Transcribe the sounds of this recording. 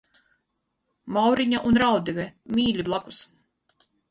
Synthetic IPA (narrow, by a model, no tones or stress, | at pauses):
mawɾiɲaʔunɾawd̪ivʲɛmiːlʲiblˠaku̥s